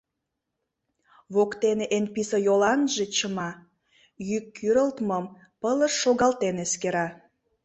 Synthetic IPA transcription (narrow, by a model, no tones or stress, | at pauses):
βokt̪eneʔenpisəjolɑnʒet͡ɕəmɑ | jykːyɾəlt̪məm | pələʃːoɣɑlt̪eneskeɾɑ